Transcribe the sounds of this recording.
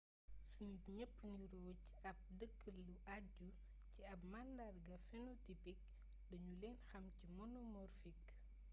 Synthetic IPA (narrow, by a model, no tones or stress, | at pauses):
sunutɲɛpːniɾɔːc | ɐp̚dəkːəlːuʔaɟu | ciɐp̚mandadɡɐfɛnɔtipik̚ | dɐɲulɛːnxɐmcimɔnɔmɔrfik